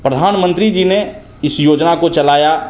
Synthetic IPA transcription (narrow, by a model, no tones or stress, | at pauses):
pɾəd̪ʱaːnmə̃nt̪ɾid͡ʒiːne | ɪsjoːd͡ʒnakot͡ʃɐlaːja